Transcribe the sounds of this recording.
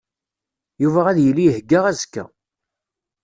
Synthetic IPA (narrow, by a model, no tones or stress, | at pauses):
juvæʁæðjəlːijəhɡːaʁæzkːæ̰